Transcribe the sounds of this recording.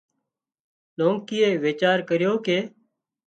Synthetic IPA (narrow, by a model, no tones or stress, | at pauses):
loːŋkiːeːʋeːt͡ʃaːɾkəɾjoːkeː